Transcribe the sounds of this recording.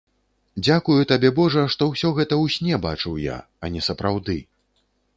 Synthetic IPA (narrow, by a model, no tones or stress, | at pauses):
d͡zʲakujut̪abʲɛbɔʐɐʂt̪ɔwsʲɔɣɛt̪ɐwsʲnʲɛba̰t͡ʂɨwja̰ | ɐnʲɛsɐpɾawd̪ɨ